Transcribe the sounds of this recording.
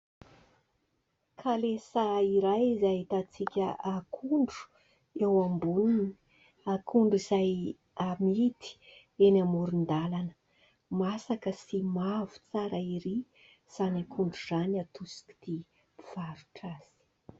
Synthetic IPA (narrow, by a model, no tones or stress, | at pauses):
kʰalesaiɾajizaɦit̪at͡sikʲəakʰuɳɖ͡ʐu̥ | ewambuninii | akʰuɳɖ͡ʐiz̥aj | amit̪i̥ | enamuɾund̪alanə̥ | masakəsimavu̥t͡saɾəiɾi | z̥anakʰuɳɖ͡ʐuzanat̪usi̥ki̥d̪̥i | piv̥aɾu̥ʈ͡ʂaz̥i̥